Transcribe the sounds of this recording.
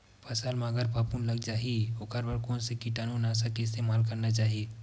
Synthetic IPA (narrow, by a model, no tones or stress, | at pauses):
pʰɐsalmaːɡəɾpʰapuːnləɡd͡ʒaːɦieoːkəɾbəɾkoːnsekiʈaːnũnaːsakeɪst̪eːmaːlkɐɾnat͡ʃaːɦie